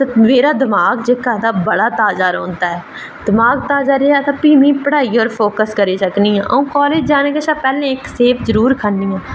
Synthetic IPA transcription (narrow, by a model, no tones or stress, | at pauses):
t̪emeːɾaːd̪ɪmaːɡd͡ʒeːkaːd̪aːbəɽaːt̪aːd͡ʒaːɾoːnd̪aːɛː | d̪̥ɪmaːɡ̚t̪aːd͡ʒaːɾeːaːt̪ãːpiːmĩːpəɽaːiːɔːɾpʰoːkəskəɾiːsəkniːɦɛ̃ːʔəũːkɔːleːd͡ʒd͡ʒaːnẽːkeːʃaːpɛːlẽːɪkseːpʰzəɾuːɾkʰənːiːɛː